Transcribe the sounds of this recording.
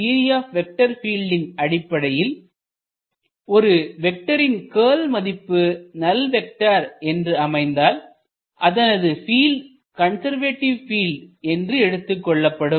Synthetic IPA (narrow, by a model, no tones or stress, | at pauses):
iːɾɪjaːfʋɛk̚ʈɐɾfiːlɖɪnɐɽɪpːɐɽɐjɪl | ɔɾɯʋɛk̚ʈɐɾɪnkeːlmɐðɪpːɯnɐlʋɛk̚ʈaɾɛndrɯɐmɐɪnd̪aːl | ʔɐðɐnɐðɯfiːlɖ | kɐnsɐɾʋeːʈːɪʋfiːlɖɛndrɯɛɽɯt̪ːɯkːɔɭːɐpːɐɽɯm